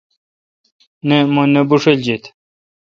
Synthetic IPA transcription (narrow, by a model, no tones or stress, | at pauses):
nemonebuʂeld͡ʑit̪